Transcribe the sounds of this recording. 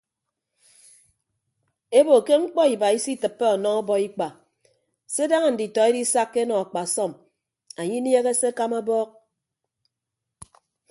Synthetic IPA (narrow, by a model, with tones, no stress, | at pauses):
e˦bo˨ke˦ŋ͡m̩˦k͡pɔ˦i˨ba˨i˦si˦tɨ˨pːe˦ɔ˨nɔ˦ŋɔ˦bɔ˦i˦k͡pa˨ | se˦da˦ŋa˨n̩˨di˨tɔ˨e˦di˦sa˦kːe˦nɔ˨a˨k͡pa˨sɔ˦˨m | a˨ɲi˦n˦e˦ɣe˦se˦ka˦ma˦bɔː˦k̚